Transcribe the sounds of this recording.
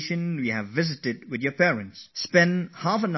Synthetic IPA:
ʃɨ̃nwiɨvɪzɨtɪd̚wɨðjə˞pʰɛɹɨ̃ntspɛ̃nhafən

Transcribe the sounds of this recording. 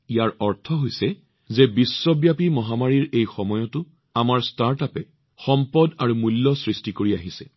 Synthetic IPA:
ijaɹɔɹtʰɔɦojsɛ | zɛbisːɔbjapimɔɦamaɹiɹejxɔmɔjɔtʊ | amaɹstaɹtapɛ | xɔmpɔdaɹumulːɔsɹistikoɹiaɦisɛ̰

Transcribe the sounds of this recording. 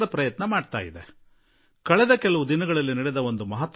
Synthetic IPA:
ɾɐpɾɐjɐt̪nɐmaːɖt̪a̰ːjid̪e | kɐɭɛd̪ɐkɛɭɐʋud̪inɐɡɐɭɐlːiniɽɛd̪ɐo̞nd̪umɐɦɐt̪ː

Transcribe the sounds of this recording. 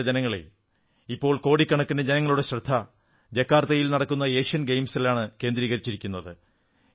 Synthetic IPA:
d͡ʑenɐŋːɐɭḛ | ipːo̞ːɭko̞ːɽikʲːɐɳɐkːunɐd͡ʑenɐŋːɐɭuɽe̞ɕrɐd̪ʱːɐ | d͡ʑekːaːrt̪ːɐjilnɐɽɐkːunːɐeːkʂɐnɡejmsilaːɳɨke̞ːnd̪ɾiːɣɐɾit͡ɕːiɾikʲːunːɐðɨ

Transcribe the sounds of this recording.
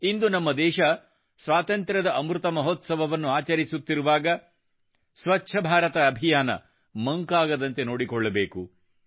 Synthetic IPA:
ind̪unɐmːɐd̪ɛːʃɐ | sʋaːt̪ɐnt̪ɾɐd̪ɐʔɐmɾut̪ɐmɐɦot̪sɐbɐʋɐnːuaːt͡ʃɐɾisut̪ːiɾuʋaːɡɐ | sʋɐtːʃʰɐbʱaːɾɐt̪ɐːbʱijaːnɐ̰ | mɐŋkaːɡɐd̪ɐnt̪e̞no̞ːɽikɔɭːɐbeːku

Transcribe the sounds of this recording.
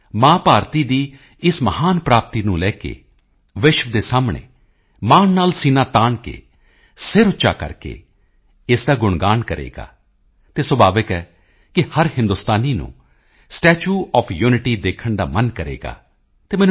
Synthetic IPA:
mãːpaːɾt̪iːd̪iː | ɪsməhaːnpɾaːp̚t̪iːnũːlɛːkḛː | ʋɪʃʋd̪eːsaːmɳḛː | maːnnaːlsiːnaːt̪aːɳkḛː | sɪɾʊːt͡ʃa̰ːkə̰ɾkḛː | ɪsd̪aːɡʊɳɡaːɳkəɾḛːɡa̰ː | t̪eːswəbaːʋəkɛː | kɪhəɾhɪ̃nd̪ʊst̪aːniːnṵ̃ː | sʈɛːt͡ʃuːɔːpʰjuːnɪʈiːd̪eːkʰəɳd̪a̰ːmənkəɾḛːɡa̰ː | t̪eːmɛːñ

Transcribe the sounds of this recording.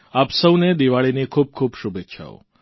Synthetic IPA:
apsəwned̪iʋaɭinekʰuːb̚kʰuːbʃubet̪ːʃʰa̰o̰

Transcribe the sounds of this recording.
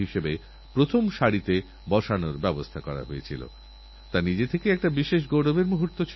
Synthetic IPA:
iʃebe | pɾot̪ʰomʃaɽit̪e | bɔʃanoɾbɛbost̪ʰakɔɾa̰ɦoet͡ɕʰilo̰ | t̪anid͡ʑet̪ʰekeɛk̚ʈabiʃeʃ̬ɡowɖobeɾmuɦuɾt̪ːot͡ɕʰ

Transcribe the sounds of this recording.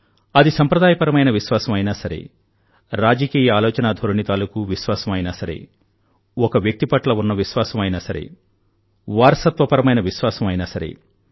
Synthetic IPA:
ɐd̪isɐmpɾɐd̪aːjɐpɐɾɐmɐjnɐʋiʃʋaːsɐmɐjnaːsɐɾḛ | ɾaːd͡ʒɐkiːjɐaːlɔːt͡ʃɐnaːd̪ʱoɾɳit̪aːlukuʋiʃʋaːsɐmɐjnaːsɐɾḛ | ɔkɐʋjɐk̚t̪ipɐʈlɐunːɐʋiʃʋaːsɐmɐjnaːsɐɾḛ | ʋaːɾsɐt̪ʋɐpɐɾɐmɐjnɐʋiʃʋaːsɐmɐjnaːsɐɾḛ

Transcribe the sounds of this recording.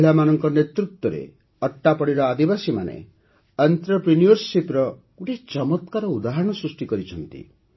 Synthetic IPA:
iɭamanɔŋkɔnet̪ɾut̪wɔɾḛ | ɔʈːapɔɽiɾɔad̪ibasimanḛ | ənt̪ɾɔpɾinijɔɾsipɾɔkuʈet͡ʃɔmɔt̪̚kaɾɔud̪aɦɾɔɽ̃ɔsɾusʈikɔɾit͡ʃʰɔnt̪ḭ

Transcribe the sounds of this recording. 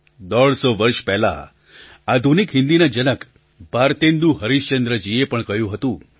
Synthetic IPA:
d̪ɔɭsoʋəɾʃpɛɦla̰ | ad̪ʱunikɦɪ̃nd̪inad͡ʒənək | bʱaɾt̪end̪uɦəɾiʃt͡ʃənd̪ɾəd͡ʒiepəɳkəjũɦət̪ũ

